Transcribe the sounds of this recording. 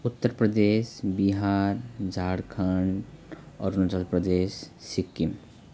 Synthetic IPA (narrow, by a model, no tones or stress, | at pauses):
ut̪ːəɾpɾəd̪esbiɦaɾd͡ʒʱaɽkʰəɳɖ | ɔːɾunud͡ʒəlpɾəd̪esːikːim